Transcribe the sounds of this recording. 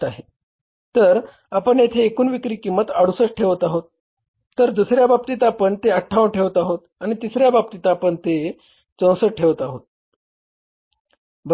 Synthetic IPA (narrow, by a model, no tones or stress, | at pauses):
t̪aɦe | t̪əɾ | apəɳjet̪ʰeːkuːnʋikɾiːkimət̪aɽusəʈʈʰeʋət̪aɦot̪ː | əɾd̪usɾjabab̚t̪iːt̪apəɳt̪eəʈʰːaʋəɳʈʰeʋət̪aɦot̪aɽ̃it̪isɾjabab̚t̪it̪apəɳt̪e | t͡sə̃w̃səʈʰeʋət̪aɦot̪̚ | b